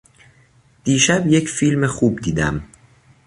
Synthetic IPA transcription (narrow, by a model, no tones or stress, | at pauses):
d̪̥iːʃæbje̞cʰfilmexuːbd̪iːd̪æ̰m